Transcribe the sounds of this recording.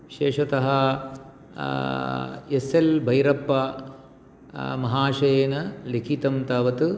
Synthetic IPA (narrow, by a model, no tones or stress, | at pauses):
ʃeːʂɐt̪ɐɦɐ | eselbʱɐjɾɐpːɐ | mɐɦaːʂɐjeːnɐlikʰit̪ɐmt̪aːʋɐt̪ɨ